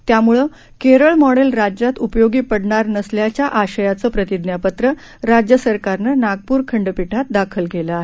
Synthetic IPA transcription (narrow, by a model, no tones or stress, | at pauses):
t̪jamuɭəː | keɾəɭmɔɽelɾad͡ʑjat̪upjoɡiːpəɽɳaɾnəsljat͡ɕjaʔaɕəjat͡səːpɾət̪id̪njapət̪ɾə | ɾad͡ʑjəsəɾkaɾnənaɡ̚puːɾkʰəɳɖpiʈʰat̪̚d̪akʰəlɡʱeləaɦe